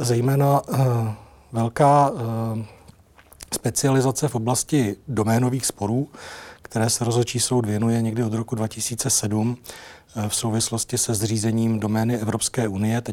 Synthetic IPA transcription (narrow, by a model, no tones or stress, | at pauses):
zɛjmɛːna | vɛlkaː | spɛt͡sɪalɪzat͡sɛfʔo̞blascɪdo̞mɛːno̞viːxspo̞ɾuːkt̪ɛɾɛːsɛɾo̞zɦot͡ʃiːso̞wdvjɛnujɛɲɛɡdɪod̪ɾo̞kudvacɪsiːt͡sɛsɛdum | fsowvɪslo̞scɪsɛzr̝iːzɛɲiːmdo̞mɛːnɪɛvɾo̞pskɛːunɪjɛt̪ɛ